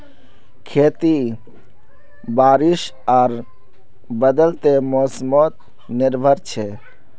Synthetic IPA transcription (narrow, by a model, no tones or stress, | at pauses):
kʰeːt̪i | baːɾɪʃ | aːɾ | bəd̪əlt̪emoːsmot̪̚ | nɪɾbʱəɾt͡ʃʰe